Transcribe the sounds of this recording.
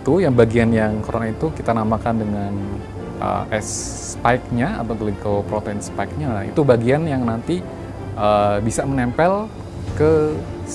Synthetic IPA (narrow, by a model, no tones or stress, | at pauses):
t̪ujaŋbaɡianjaŋkoɾonait̪ukit̪anamakandəŋan | ʔə̰ʔɛs | pajk̚ɲaa̰p̪aɡəlikowpɾot̪ɛnspaik̚ɲaḭt̪ubaɡianjaŋnant̪i | ʔəbisamənɛmpɛl | kə